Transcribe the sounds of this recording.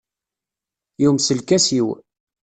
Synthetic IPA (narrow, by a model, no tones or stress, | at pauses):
juwmsəlkæsiw